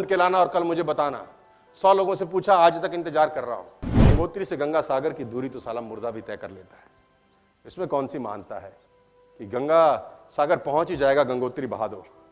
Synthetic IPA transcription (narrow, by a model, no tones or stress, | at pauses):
nd̪̚kelaːnaɔːɾkɐlmʊd͡ʒʱebɐt̪aːna̰ | sɔːloːɡõsepuːt͡ʃʰaaːd͡ʒt̪ɐkɪ̃nt̪ɪd͡ʒaːɾkɐɾːa̰ɦõ̰ɡɐ̃ŋɡoːt̪ɾiseɡɐ̃ŋɡasaːɡəɾkid̪uːɾit̪osaːlamʊɾd̪abʱit̪ɛːkɐɾlḛːt̪aɦɛː | ɪsmẽkɔːnsima̰ːnt̪a̰ɦɛː | kiɡɐ̃ŋɡasaːɡəɾpɐɦɔ̃t͡ʃd͡ʒaːeːɡaɡɐ̃ŋɡoːt̪ɾibɐɦa̰ːd̪o̰ː